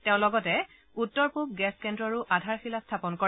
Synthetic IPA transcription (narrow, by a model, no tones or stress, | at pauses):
tẽʊ̃lɔɡɔtɛ | utːɔɹpub̚ɡɛskɛndɹɔɹuʔadʱaɹxilastʰapɔnkɔ